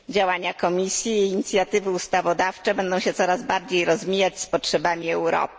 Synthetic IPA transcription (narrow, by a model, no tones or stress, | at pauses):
d͡ʑawaɲakɔmʲisʲjiːɲit̪sʲjat̪ɘvɘust̪avɔd̪aft͡ʂɛbɛnd̪ɔ̃w̃ɕɛt̪sɔɾazbaɾd͡ʑejɾɔzmʲijat͡ɕspɔtʂɛbamʲiɛwɾɔ̰p̚